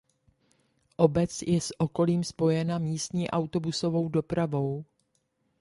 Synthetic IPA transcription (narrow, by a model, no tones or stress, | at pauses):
ʔo̞bɛt͡sjɛsʔo̞ko̞liːmspo̞jɛnamiːst̪ɲiːʔawt̪o̞buso̞vo̞wdo̞pɾavo̞w